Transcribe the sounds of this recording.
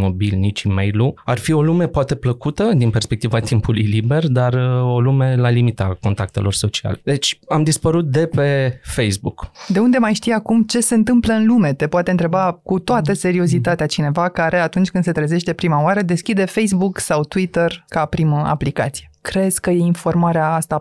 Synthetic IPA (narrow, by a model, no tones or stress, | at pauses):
mo̞bilnit͡ʃʲimejluarfio̞lume̞poat̪e̞pləkut̪əd̪inpe̞rspek̚t̪ivat̪impulujlibe̞rd̪aro̞lume̞lalimit̪ako̞nt̪ak̚t̪e̞lo̞rso̞t͡ʃia̰led̪e̞t͡ʃʲamd̪ispəɾut̪̚d̪e̞pe̞fejsbukd̪e̞und̪emajʃt̪ijakumt͡ʃe̞se̞ɨnt̪ɨmpləɨnlume̞t̪e̞poat̪eɨnt̪ɾe̞bakut̪oat̪əse̞ɾio̞zit̪at̪eat͡ʃine̞vakaɾe̞at̪unt͡ʃʲkɨnd̪set̪ɾeze̞ʃt̪e̞pɾimaoaɾəd̪e̞skʲid̪e̞fe̞js̬buksawt̪wit̪ərkapɾiməʔa̰plikat̪si̥je̞kɾe̞zʲkəje̞info̞rmaɾeaast̪a